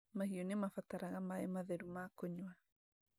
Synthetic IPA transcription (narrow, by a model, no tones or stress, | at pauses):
maɦiɔnemafataɾaɣamaɛmaðɛɾumakɔɲwa